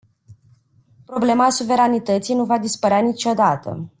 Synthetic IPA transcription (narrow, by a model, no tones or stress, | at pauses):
pɾo̞ble̞maːsuve̞ɾanit̪ət̪sijnuvad̪ispəɾeanit͡ʃo̞d̪at̪ə̰